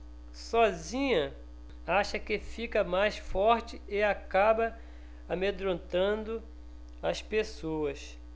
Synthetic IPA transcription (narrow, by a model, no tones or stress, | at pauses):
sɔzĩɲɐ | aʃɐkɪfikɐmajsfɔɾt͡ʃɪɪakabɐ | amed̪ɾõnt̪ɐ̃nd̪ʊ | ɐspesoɐs